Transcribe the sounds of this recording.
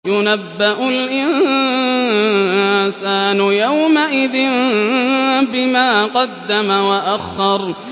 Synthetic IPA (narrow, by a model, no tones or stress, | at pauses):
jʊnabːɪʔʊlʔɪnn | saːnʊjawmaʔɪðɪn | bɪmaːqɑd̪ːamawaʔaxːɑɾˤ